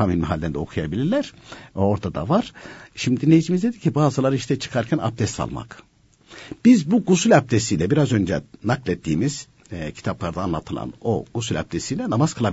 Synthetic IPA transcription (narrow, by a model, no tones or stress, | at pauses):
aminmɛɦalʲːeɾnd̪ɛo̞kʰujabilʲiɾlʲæɾ̥oɾd̪ad̪a̰vaɾ̥ʃimd̪iinlʲːe̞jid͡ʒimizd̪ed̪icʰibaːzɯlˠaɾɯiʃt̪ʰɛt͡ʃʰɯ̥kʰaɾcʰæna̰p̚d̪ʰɛst̪a̰lˠma̰k | b̥izbuɡusylʲap̚d̪ʰesijlʲɛbiɾazø̞nd͡ʒɛ̰naklʲˠɛt̪ʰːiːmiz̥ | cʰi̥t̪ʰaplˠaɾd̪aːnlˠat̪ʰɯlˠa̰noɡ̥usylʲa̰p̚d̪ʰesijlʲɛnamaz̥kʰɯlˠab